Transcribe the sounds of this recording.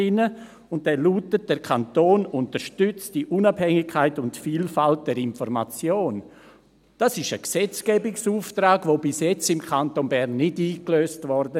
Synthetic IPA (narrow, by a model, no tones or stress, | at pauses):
ɪnə | ʊnt̚d̥ɛluːtət̚d̥ɛɾkʰantoːnʊntəɾʃtʏt͡sd̥iʔunabhɛŋɪkʰːaɪtʊntfiːlfalt̚d̥ɛɾɪnfɔɾma̰t͡sjoːn | d̥asɪʃəksɛt͡sɡ̥ɛbɪksuːftɾaːɡʋoːbɪsjɛt͡sɪmkʰantonbɛɾnːɪdiːkløːstvɔɾdə